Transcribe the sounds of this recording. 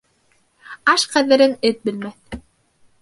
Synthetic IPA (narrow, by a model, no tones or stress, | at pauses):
ɑʃqæðɘ̆ɾɘnɘt̪̚bɘ̆lmæθ